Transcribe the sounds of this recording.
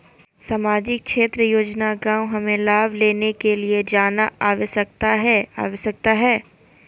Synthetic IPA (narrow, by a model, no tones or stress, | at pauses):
saːmaːd͡ʒɪk̚kʃeːt̪ɾəjoːd͡ʒnaɡãːw̃ɦɐmẽlaːbleːnekelied͡ʒaːnaaːʋesɐk̚t̪aɦɛːa̰ːʋesɐk̚t̪aɦɛː